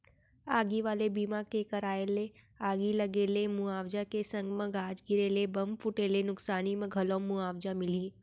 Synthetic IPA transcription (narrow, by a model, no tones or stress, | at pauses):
aːɡiʋaːlebiːmakekəɾaːele | aːɡiləɡeːlemʊaːʋd͡ʒakesə̃ŋɡmə̃ɡaːd͡ʒɡɪɾeːlebəmpʰʊʈeːlenʊksaːnimə̃ɡʱɐlõmʊaːʋd͡ʒamɪliː